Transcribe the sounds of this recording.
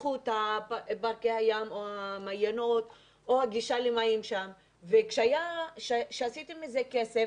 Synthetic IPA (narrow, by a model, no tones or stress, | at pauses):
ut̪haabaʁkehajamoamajanot̪ | ʔoaɡiʃalimaimʃam | vekʃeajaʃeʃeasit̪emizekese